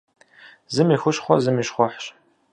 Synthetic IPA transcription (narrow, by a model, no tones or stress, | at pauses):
zɨmiːxʷʊɕχʷɔzɨmiːʃχʷɔħɕ